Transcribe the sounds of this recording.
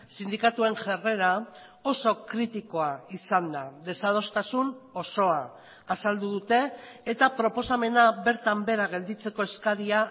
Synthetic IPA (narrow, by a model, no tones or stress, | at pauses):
sind̪ikat̪ue̞ŋʝere̞ɾa | o̞so̞kɾit̪iko̞aisand̪aðe̞sað̞o̞st̪asuno̞so̞aː | sald̪uð̞ut̪e̞ːt̪apɾo̞po̞same̞naβe̞ɾt̪ambe̞ɾaɣe̞ld̪it͡se̞ko̞eskaɾia